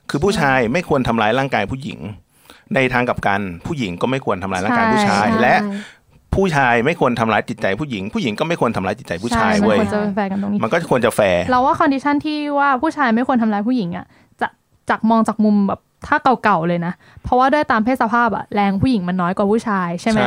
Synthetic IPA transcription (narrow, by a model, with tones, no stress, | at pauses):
kʰɯː˧pʰuː˥˩t͡ɕʰaː˧jma˥˩jkʰu˧ənt̪ʰa˧mlaː˧˥jlaː˥˩ŋkaː˧jpʰuː˥˩jḭ˩˦ŋ | na˧jt̪ʰaː˧ŋka˨˩p̚ka˧npʰuː˥˩ji˨˩˦ŋkɔː˥˩ma˥˩jkʰu˧ənt̪ʰa˧mlaː˦˥jla˥a˩kaː˧˥˩pʰːt͡ɕʰaː˧jlɛ˦˥ʔ | pʰuː˥˩t͡ɕʰaː˧jma˥˩jkʰu˧ənt̪ʰa˧mlaː˦˥jt̪i˨˩t̪̚t͡ɕa˧jpʰuː˥˩ji˨˩˦ŋpʰuː˥˩ji˨˩˦ŋkɔː˥˩ma˥˩jkʰu˧ənt̪ʰmlːt̪i˨˩t̪t͡ɕa˧jpʰuː˥˩t͡ɕʰaː˧jda˧u˥˩ə˨˧t͡ɕa˨˩˧fɛː˧ka˧nt̪o˧ŋi˧˦ma˧nkɔː˥˩˨ku˧ənt͡ɕa˨˩fɛː˧lɛ˦˥waː˥˩kʰɔ˧ndi˦˥t͡ɕʰa˥˩nt̪ʰiː˥˩waː˥˩pʰuː˥˩t͡ɕʰaː˧jma˥˩jkʰu˧ənt̪ʰa˧laː˧˦˥jpʰuː˥˩ji˩˦ŋʔa̰˨˩ | t͡ɕa˨˩ | t͡ɕa˨˩k̚mɔː˧ŋt͡ɕa˨˩k̚mu˧mbɛː˨˩p̚t̪ʰaː˥˩ka˨˩wka˨˩wlɤː˧jna˦˥ | pʰɾɔ˦˥waː˥˩du˥˩əjt̪aː˧mpʰe˥˩t̪̚sa˧pʰaː˥˩p̚ʔa̰˨˩lɛː˧ŋpʰuː˥˩ji˩˦ŋma˧nːɔː˦˥jkwaː˨˩pʰuː˥˩t͡ɕʰaː˧jt͡ɕʰa˥˩jma˦˥